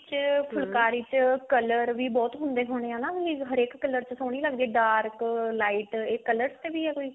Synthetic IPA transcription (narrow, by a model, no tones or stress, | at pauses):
t͡ʃpʰʊlkaːɾiːt͡ʃkələɾʋiːbɔːt̪ɦʊ̃nd̪eːɦʊːɽ̃eːãːnaːɦiɦəɾeːkːələɾt͡ʃsoːɽ̃iːləɡ̚d̪iːɛːɖaːɾklaːiʈeːkələɾst̪eːʋiːɦɛːkoːiː